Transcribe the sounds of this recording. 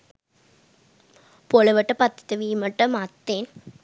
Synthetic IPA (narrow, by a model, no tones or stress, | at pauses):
poːlɐʋɐʈːɐpɐt̪ːɐ̥t̪ːɐʋiːmɐʈːɐmaːt̪ːeːn